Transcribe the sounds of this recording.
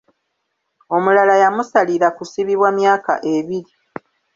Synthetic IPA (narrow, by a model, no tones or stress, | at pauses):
o̞mulalajamusaliɾakusiβiβwamjaːka̰ʔe̞βiɾi